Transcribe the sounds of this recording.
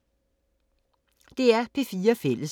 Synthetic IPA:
d̪̥e̝æɐpʰeːfiːɐfel̰ʔəs

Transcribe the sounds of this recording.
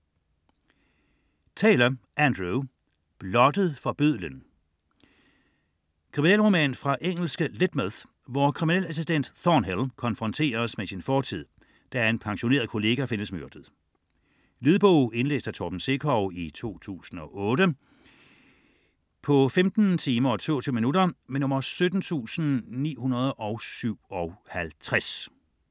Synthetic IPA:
t͡sʰɛ̰ːlɐʔænd̥ʁu | b̥lɒ̽d̥əð̞̩ˠfɒ̽b̥øð̰ˠlən | kʰʁiminɛ̰lʁomɛ̰ːnfʁɑ̈ʔeŋ̰l̩sɡ̥əled̥með | ʋɒkʰʁiminelæsisd̥en̰d̥θɒnɦelkʰɒ̽nfʁɒ̽nt͡sʰe̝̰ːɐsmesinfɒːt͡sʰið̰ˠ | d̥æɐe̝npʰɑ̈ŋɕo̝ne̝̰ɐð̩ˠkʰo̝le̝ːɡ̥æfe̝nəsmøɐd̥əð̩ˠ | liðˠb̥ɔʊ̰e̝nlḛːsd̥æt͡sʰɒːb̥n̩se̝kʰɒʊit͡sʰo̝̰ːt͡sʰṵːsn̩ɒ̽ʔɔːdə | pʰɒ̽femd̥n̩t͡sʰiːmɐɒt͡sʰo̝̰ːt͡sʰy̰minudɐmenɔ̽mɐsød̥n̩t͡sʰṵːsn̩nḭːhunɐð̞ˠʔɒ̽ʊsyʊ̰ɒ̽hælt͡sʰʁas

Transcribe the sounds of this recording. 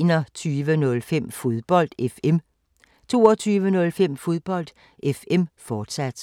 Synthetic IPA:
nɐt͡sʰyːʋənɔ̽lfem̰fo̝ðˠb̥ɒ̽l̰d̥efem | t͡sʰo̝ːɐt͡sʰyːʋənɔ̽lfem̰fo̝ð̞ˠb̥ɒ̽l̰d̥ | efem̰fɒːd̥sæd̥

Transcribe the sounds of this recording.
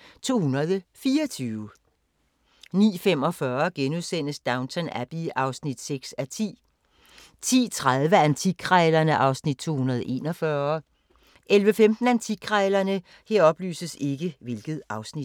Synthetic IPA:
t͡sʰo̝̰ːhunɐð̞ˠfiːɐt͡sʰyːʊ | nḭːfem̰ɒ̽fɶɐɡ̥enuðˠsen̰əsd̥ɑ̈ʊnt͡sʰænæb̥iʔɑ̈ʊsnid̥seɡ̥sæt͡sʰḭː | t͡sʰḭːt͡sʰʁað̞ˠʋəænt͡sʰiɡʰʁɛːlɐnəʔɑ̈ʊsnid̥̚t͡sʰo̝̰ːhunɐð̞ˠʔe̝ːnɒfɶɐ | ʔelʋəfemd̥n̩ænt͡sʰiɡʰʁɛːlɐnə | heɐ̰ɒ̽b̥ly̰ːsəse̝ɡ̥əʋe̝lɡ̥ð̩ˠʔɑ̈ʊsni̥

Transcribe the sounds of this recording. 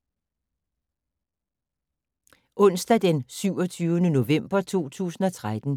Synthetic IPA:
ʔɔ̽n̰sd̥æd̥ensyʊ̰ɒt͡sʰyːʊənəno̝ʋem̰b̥ɐt͡sʰo̝̰ːt͡sʰṵːsn̩ɒ̽t͡sʰʁad̥n̩

